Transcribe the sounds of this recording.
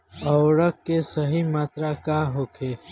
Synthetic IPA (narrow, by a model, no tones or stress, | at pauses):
ɔwɾəkːesəɦimaːt̪ɾakaɦoːkʰeː